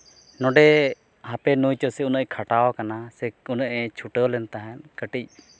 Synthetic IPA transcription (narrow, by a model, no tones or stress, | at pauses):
nɔɖɛ | hapɛnujt͡ʃɔsɛunəʔkʰaʈawkanasɛunəʔɛt͡ʃʰuʈəlɛnt̪aɦɛ̃nkəʈic̚